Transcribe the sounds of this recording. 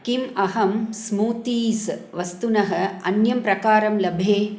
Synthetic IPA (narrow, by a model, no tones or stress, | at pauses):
kimɐɦɐmsmuːt̪iːsʋɐst̪unɐɦɐ̆ɐ̰njɐmpɾɐkaːɾɐmlɐbʱeː